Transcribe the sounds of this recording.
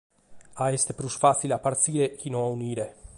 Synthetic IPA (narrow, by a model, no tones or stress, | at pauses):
aest̪epɾusfasilapːaɾt̪siːɾek̟inoauniːɾe